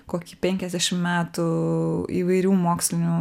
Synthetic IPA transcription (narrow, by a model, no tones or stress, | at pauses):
koːkʲiːpʲɛŋʲkʲɛzd̪ʲæːʃʲɪmmʲæːt̪ʊ | ḭːʋɐɪɾʲuːmoːksʲlʲɪnʲu